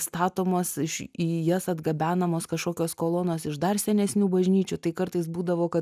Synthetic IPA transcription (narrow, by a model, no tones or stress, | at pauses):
st̪ɑːt̪oːmɐsɪʃiːjɛsɐd̪ɡɐbʲæːnɐmoːskɐʃkoːkʲoːskoːlˠoːnoːsɪʃd̪ɐrsʲɛnʲɛsʲnʲuːbɐʒʲnʲiːt͡ʃʲut̪ɐɪkɐɾt̪ɐɪs̬buːd̪ɐʋoːkɐ